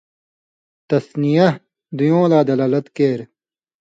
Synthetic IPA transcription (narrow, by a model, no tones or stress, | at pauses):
t̪ɐsnijɐ | d̪ujõːlaːd̪ɐlaːlɐt̪keːɾ